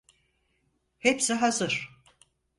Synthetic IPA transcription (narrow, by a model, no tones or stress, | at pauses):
hepsiɦazɯɾ̥